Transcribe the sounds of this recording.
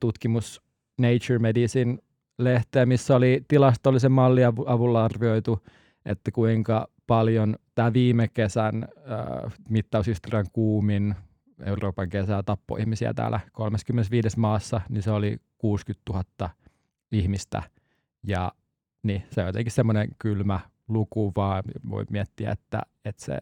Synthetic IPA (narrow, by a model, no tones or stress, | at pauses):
t̪ut̪kimus | neit͡ʃyrmedisin | leht̪eːæmisːæolit̪ilɑst̪olːisemmɑlːiɑɑʋulːɑɑrʋioit̪u | ʔḛt̪ːækuiŋkɑpɑljont̪æːlʋiːmekesænø̰ːmit̪ːɑˑushist̪oriɑŋkuːmin | ḛuroːpɑŋkesæt̪ɑpːo̰ihmisiæ̰t̪æ̰ːlʔækolmeskymːenesʋiːdesmɑːsːɑninseolikuːskyt̪t̪uhɑt̪ːɑ | ihmist̪æ̰ | jɑ | nisejot̪eŋkissemːoneŋkylmæ | lukuʋɑːʋo̰immiet̪ːiæ̰ḛt̪ːæ̰ | et̪sḛ